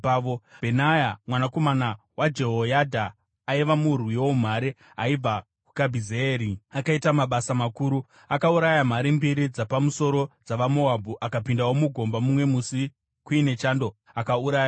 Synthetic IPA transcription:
obʱenajamwanako̞mana | wʔad͡ʒe̞ɦojadʱaː | iʋamurwijom̤aɾi | aib͡va | ku̥kabʱizeeːɾiakaitamaɓasamakuːɾu | akauɾajam̤aɾimbiɾid͡zapamuso̞ɾo̞d͡zaʋamo̞abʱuʔakapindawomuɡʱo̞mbamumwe̞musi | kuine̞t͡ʃaːndo̞ | akauɾaːja

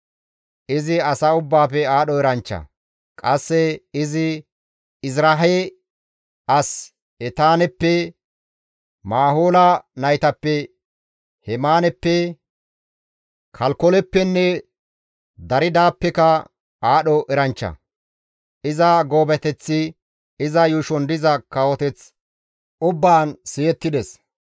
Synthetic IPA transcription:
ʔɪzɪɐsaːʊbːaːfɛaːɗɔɛɾɐnt͡ʃːɐ̰ | kʼɐsːɛɪzɪ | ɪzɾaɦɛ | ɐs | ɛt̪aːnɛpːɛ | maːɦoːlɐnɐjt̪ɐpːɛ | hɛmaːnɛpːɛ | kʰɐlkɔlɛpːɛnːɛ | d̪ɐɾɪd̪aːpːɛkɐ | aːɗɔʔɛɾɐnt͡ʃːɐ̰ | ʔɪzɐɡo̞ːbɛt̪ɛt͡sːɪ | ɪzɐjʊʃɔnd̪ɪzɐkɐwɔt̪ɛt͡s | ʔʊbːaːnsɪjɛt̪ːɪd̪ɛs

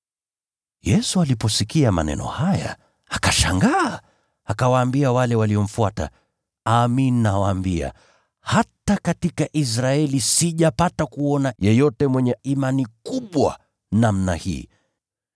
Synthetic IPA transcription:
jɛsualipɔsikiama̰nɛ̰nɔ̰haja̰ | akaʃaŋɡaː | akawaːmbiawalɛwaliɔm̩fuata̰ | aminnawaːmbia̰ | hatakatikaʔis̬ɾaɛlisiʄapatakuɔnajɛjɔtɛmwɛɲɛimanikuɓwa̰ | namnahḭː

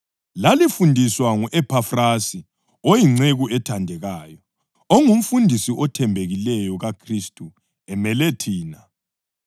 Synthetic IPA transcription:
lalifundʱiswaŋuʔɛpʰafrasi | ojiŋ͡ǀeɣuɛtʰandʱɛɣaːjɔ | oŋum̩fundʱisiʔɔtʰɛmbʱeɣilɛjɔɣakʰristʼu | ɛmɛletʰiːna

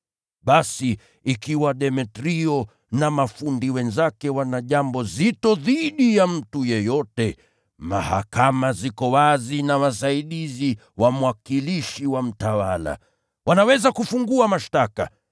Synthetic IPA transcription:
ɓasiː | kiwaɗɛmɛtɾiɔ | namafundiwɛnzakɛwanaʄambɔzitɔðiɗijam̩tujɛjɔtɛ | ma̰ha̰kamazikɔwazinawas̬aiɗizi | wamwakiliʃiwam̩tawala̰ | wanawɛzakufuŋɡuamaʃtaka̰

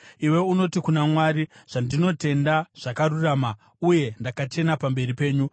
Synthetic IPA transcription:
iwe̞uno̞tikunamwaːɾiʐ̥andino̞te̞ndaʐ̥akaruraːma | uje̞ndakat͡ʃe̞napambe̞ɾipe̞ːɲu

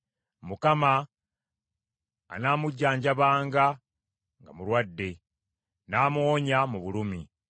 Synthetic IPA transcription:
mukama | naːmuɟːaːɲɟaβaːŋɡa | ŋɡamuɾwadːe̞ | naːmwoːɲamuβulumi

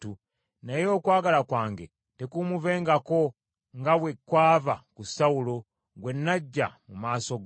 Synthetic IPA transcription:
u | nejo̞ːkwaːɡalakwaːŋɡḛ | tekumuve̞ːŋɡako̞ | ŋɡawekwaːvakusaulo | ɡwe̞nːaɟːa̰mumaːso̞ɡ

